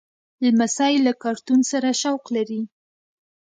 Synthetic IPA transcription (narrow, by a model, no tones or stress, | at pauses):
lmasɑjlakɑɾt̪unsaɾaʃawqlaɾi